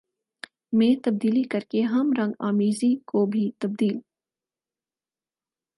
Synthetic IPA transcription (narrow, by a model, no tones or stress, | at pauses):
mẽːt̪ɐb̚d̪iːlikɐɾkeɦɐmɾɐ̃ŋɡaːmiːzikobʱit̪ɐb̚d̪iːl